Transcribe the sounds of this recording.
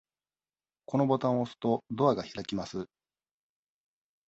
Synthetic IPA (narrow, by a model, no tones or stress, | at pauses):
ko̞no̞bo̞t̪ãɰ̃osɨ̥t̪o̞d̪o̞aɡaçiɾakʲimasɨ